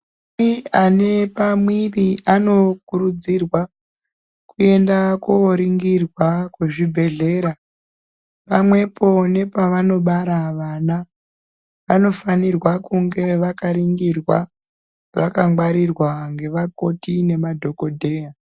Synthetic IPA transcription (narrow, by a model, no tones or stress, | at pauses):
iane̞pamwiʋiano̞kuɾud͡zirwa | kue̞ndakoɾiŋɡirwakweʐibʱe̞ɮe̞ːɾa | pamwe̞po̞ne̞paʋano̞ɓaɾaʋana | ʋano̞fanirwakuŋɡe̞ʋakaɾiŋɡirwa | ʋakaŋɡwaɾirwaŋɡe̞ʋako̞tine̞madʱo̞ko̞dʱe̞ːja